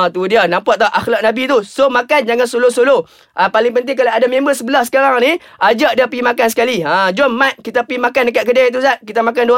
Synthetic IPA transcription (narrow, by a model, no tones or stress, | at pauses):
t̪udianãmpaʔ̚t̪aʔaxlak̚nabit̪usomakand͡ʒaŋansolosolo | ʔapalɪŋpənt̪̬ɪŋkalaadamẽmbəsəbəlahsə̥kaɾaŋni | ʔad͡ʒaʔdapimakansə̥kaliãd͡ʒɔmːat̪̚kit̪apimakandək̬at̪̚kədait̪̬usaʔkit̪amak̬andua